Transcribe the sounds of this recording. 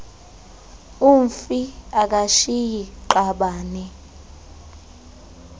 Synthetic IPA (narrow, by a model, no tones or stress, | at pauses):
uɱfiak̬ʼaʃijiǃaɓaːnɛ